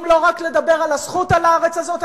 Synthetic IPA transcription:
mlo̞ʁakle̞d̪abe̞ʁalazχut̪alaʁet͡sazo̞t̪

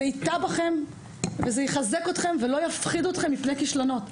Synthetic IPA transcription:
eit̪abaχe̞m | vezejiχaze̞ko̞t̪χe̞mvelo̞jafχiduot̪χe̞mlifnekiʃlano̞t

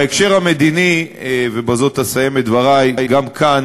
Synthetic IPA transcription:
ekʃe̞ʁhame̞d̪inivebazo̞t̪asaje̞met̪̚dvaʁajjɡamkʰan

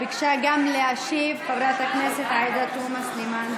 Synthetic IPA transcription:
ikʂaːɡʲaːmleaːʃeːʋkɐʋɾaːt̪ɐkmɐsɐt̪aːjd̪ɐt̪oːmɐsnimaːn

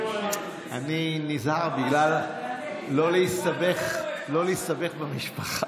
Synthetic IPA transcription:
aninizhaʁbiɡlalː | o̞lejstabeχlo̞lejst̪abe̞χbemiʃpaχa

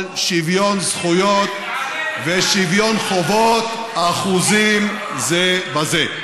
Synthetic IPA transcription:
lʃivjonzχujot̪ | veʃivjonχovot̪ | aχuzim | zebaze

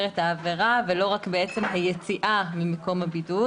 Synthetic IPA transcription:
ʁethaːveʁavelo̞ʁakbeet͡se̞mɦajet͡siʔamimako̞mhabidu

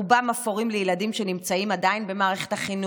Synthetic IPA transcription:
bamafoʁimlejeladimʃe̞nimt͡saimad̪ainbe̞maːʁe̞χetaχinu

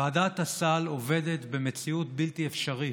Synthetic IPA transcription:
aːdat̪hasalove̞det̪be̞met͡siutbiltiefʃaʁi

